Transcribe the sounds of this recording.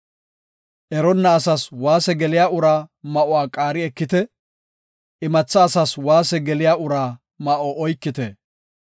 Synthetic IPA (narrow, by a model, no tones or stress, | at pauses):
ʔɛɾɔnːɐːsɐswaːsɛɡɛlɪjaʊɾaːmɐʔʊwaːkʼaːɾɪɛkːɪt̪ɛ | ʔɪmɐt͡sːɐːsɐswaːsɛɡɛlɪjaːʊɾaː | mɐʔɔʔɔjkːɪt̪ɛ